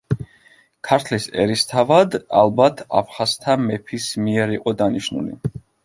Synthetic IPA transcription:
kʰaɾt̪ʰlisɛ̰ɾist̪ʰavad̪a̰lˠbat̪ʰa̰pʰχast̪ʰamɛpʰismiɛɾiqʼɔd̪aniʃnṵlḭ

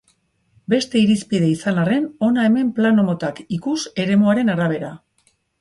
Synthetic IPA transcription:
be̞st̪e̞iɾispið̞e̞isanare̞no̞nae̞me̞mplano̞mo̞t̪akikuse̞ɾe̞muaɾe̞naɾaβ̞e̞ɾa

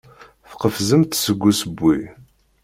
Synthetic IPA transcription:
fqəfzəmt̪səɡʷːusəbːi

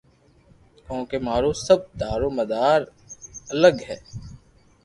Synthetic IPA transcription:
kɔ̃ːkemaːɾosɐb̚d̪aːɾõmɐd̪aːɾ | ɐləɡɦɛː

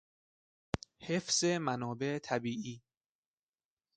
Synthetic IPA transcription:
hefz̥emænɒːbe̞ʔt̪ʰæbiːʔiː

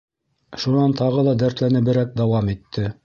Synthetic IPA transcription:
ʃunɑnt̪ʰɑʁɤlˠɑd̪æɾt̪lænɘ̆bɘ̆ɾæk̚d̪ɑwɑmit̪ʰːɘ

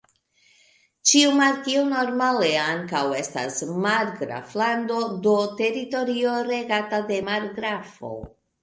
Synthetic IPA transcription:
t͡ʃiumaɾkiono̞ɾmale̞aŋkawe̞sta̰smaɾɡɾa̰flando̞do̞te̞ɾito̞ɾio̞ɾe̞ɡatade̞maɾɡɾafo̞̰

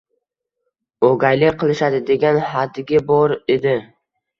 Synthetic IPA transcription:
oɡʲajlɪkqʰɨlˠɪʃad̪ɪd̪e̞ɡʲanhad̪ɪɡʲɪbɒɾed̪ɪ

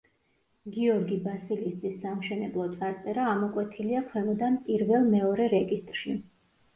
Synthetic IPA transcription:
ɡiɔɾɡibasilist̪sʼisːamʃɛnɛblˠɔt̪ʼaɾt̪ʼɛɾaːmɔkʼwɛt̪ʰiliaχʰwɛmɔd̪ampʼiɾvɛlˠmɛɔɾɛɾɛɡist̪ʼɾʃi

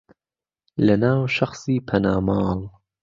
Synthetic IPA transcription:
lɐnaːwʃɐχsiːpʰɐnaːmɑːlˠ

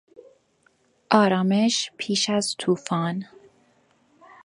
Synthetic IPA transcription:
ʔɒːɾɒːmeʃpʰiːʃæzt̪ʰuːfɑːn

